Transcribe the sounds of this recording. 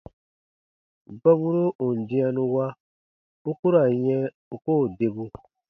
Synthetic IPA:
ɡ͡ba˦βu˦ɾo˦u˨n̩˨dĩ˦a˧nũ˧wa˦ | u˦ku˦ɾa˨jɛ̃˦ | u˦koː˦˨de˨bu˧

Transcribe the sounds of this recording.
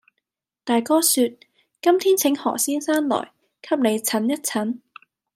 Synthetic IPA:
t̪aː˨jkɔː˥syː˧t̚ | kɐ˥mt̪ʰiː˥nt͡sʰɪ˨˥ŋhɔ̰ː˨˩siː˥nsaː˥nlɔ̰ː˨˩j | kʰɐ˥p̚ne˨˧jt͡sʰɐ˨˥njɐ˥t̚t͡sʰɐ˨˥n

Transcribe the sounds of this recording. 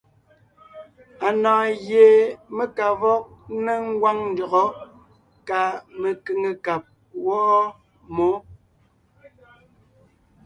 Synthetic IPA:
a˨nãː˨ɣje˨me˦ka˨vɔ˦k̚ne˦ŋ̩˦ɡwa˦ŋn̩˦dɔ˨ɣɔ˦ | ka˨me˨ke˨ŋe˨ka˨p̚ | wɔ˦ʔɔ˦ | mo˨˦

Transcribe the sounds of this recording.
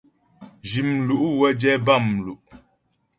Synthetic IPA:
d͡ʒi˨mlu˨ʔwɛ˦d͡ʒɛ˦ba˦˨mlu˨ʔ

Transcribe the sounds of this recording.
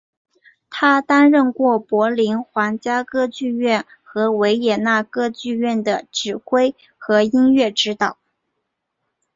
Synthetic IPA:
t̪ʰa˥t̪a˥nɻə˥˧nkwɔ˥˩pwɔ˧˥li˧˥nxwa˧˥ŋt͡ɕja˥kɤ˥t͡ɕy˥˧ɥɛ˥˩n | xɤ˧˥we˧˥ɪjɛ˨˩na˥˩kɤ˥t͡ɕy˥˧ɥɛ˥˩nd̪ə˩ʈ͡ʂɻ̩˨˩kwe˥ɪ | xɤ˧˥i˥nɥɛ˥˩ʈ͡ʂɻ̩˥t̪ɑ˨˩˦ʊ

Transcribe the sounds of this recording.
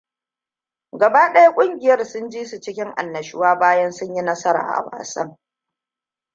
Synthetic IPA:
ɡɐ˨baː˦ɗɐ˦ja˦kʷʼʊ˦ŋɡʲɪ˨jɐ˦rsʊ˦nd͡ʒiː˦su˨t͡ʃɪ˦kʲɪ˦ŋʔa̰˨nːɐ˨ʃɪ˦waː˦baː˦jɐ˦nsʊ˦ɲji˦nɐ˦sɐ˦ɾa̰ː˨ʔa̰˨wa̰ː˨sɐ̰˦ŋ

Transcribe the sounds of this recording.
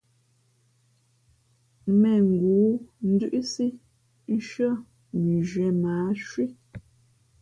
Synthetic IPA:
mɛ˨ŋ̩˨ɡuː˨˦n̩˦dʉ˦ʔsi˦ | n̩˦ʃɰɔ˦˨ | mi˨ʒɥɛ˨˦maː˨˦ʃwi˦

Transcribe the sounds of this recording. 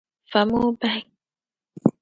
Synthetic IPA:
fa˨mo˦ba˦j

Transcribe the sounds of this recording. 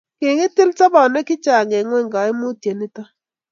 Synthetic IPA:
ke˨ŋɪ˦tɪ˦lta˦ba˨nɛ˦kɪ˦t͡ʃa˨ŋe˨ŋwɛ˦ŋɡa˨ɪ˦mu˦tje˨ni˦ta˦

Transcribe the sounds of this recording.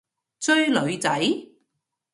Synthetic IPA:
t͡sɵ˥ɥlɵ˨˧ɥt͡sɐ˨˥j

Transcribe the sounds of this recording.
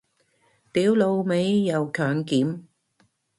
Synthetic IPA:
t̪iː˨˥wlo˨˧wme˨˧jːɐ˨˧wkʰœː˨˩ŋkiː˨˥m

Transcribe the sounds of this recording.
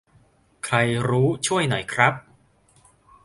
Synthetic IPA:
kʰɾa˧jɾuː˦˥t͡ɕʰu˥˩əjna˩˦jkʰɾa˦˥p̚

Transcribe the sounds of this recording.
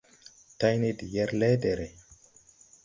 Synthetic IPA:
ta˦jne˦di˨jɛ˦ɾle˦de˨ɾe˨

